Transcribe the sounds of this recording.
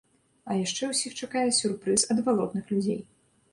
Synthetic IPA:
ɐjaʂt͡ʂɛwsʲixt͡ʂakajɛsʲurpɾɨsɐd̪valˠɔd̪nɨxlʲud͡zʲḛj

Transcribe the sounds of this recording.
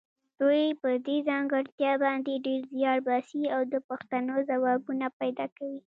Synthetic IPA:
d̪̥ujpəd̪ezɑŋɡaɾt̪jɑbɑnd̪eɖeɾzjɑɽbɑsiawd̪əpaxt̪anozawɑbunapajd̪ɑkawi

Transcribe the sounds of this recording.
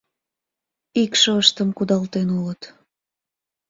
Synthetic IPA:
ikʃəəʃt̪əmkud̪ɑlt̪enulət̪

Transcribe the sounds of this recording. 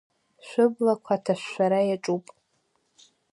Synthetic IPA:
ʃᶣʷʊblakʷʰatʰaʃʷᶣːaɾajaʈ͡ʂʼupʼ

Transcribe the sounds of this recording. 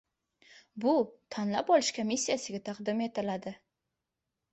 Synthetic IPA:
bʊt̪ʰanla̰pɒlɪʃkʰomisʲːijasɪɡʲat̪ʰɑqd̪ɪme̞t̪ɪlad̪ɪ

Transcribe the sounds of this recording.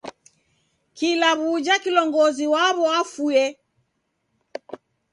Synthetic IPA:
kilaβud͡ʒakilɔŋɡɔziwaβɔafuɛ

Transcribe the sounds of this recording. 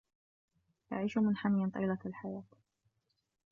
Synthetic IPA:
ja̰ʕiːʃʊmɪnħamjɪnt̪ˤɑ̰ːlalħajaːt̪

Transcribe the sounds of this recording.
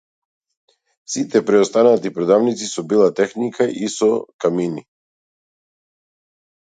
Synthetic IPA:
sit̪ɛpɾɛɔst̪anat̪ipɾɔd̪avnit̪sisɔbilˠat̪ɛxnikʰaʔisɔkamini

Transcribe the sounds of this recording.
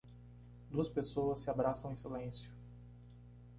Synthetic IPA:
d̪uɐspesowɐsːɪabɾasɐ̃w̃ẽsilẽsjʊ

